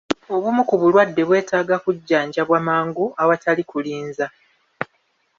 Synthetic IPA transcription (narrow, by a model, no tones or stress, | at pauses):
o̞βumukuβulwadːe̞βwe̞ːtaːɡakuɟːaːɲɟaβwamaːŋɡuawatalikuliːnza